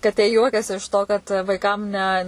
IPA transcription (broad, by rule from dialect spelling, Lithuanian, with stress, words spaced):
kɐˈtʲeː ˈjuɔkʲɛs ɪʃ toː kɐt ʋɐɪˈkɐm nʲɛ